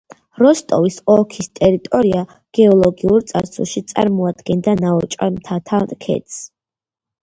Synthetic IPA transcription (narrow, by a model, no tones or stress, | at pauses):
ɾɔst̪ʼɔvisɔkʰist̪ʼɛɾit̪ʼɔɾia | ɡ̥ɛɔlˠɔɡiuɾt̪sʼaɾsṵlˠʃit̪sʼa̰ɾmɔad̪̥ɡɛnd̪anaɔt͡ʃʼa̰mt̪ʰat̪ʰaɾkʰɛ̰t̪s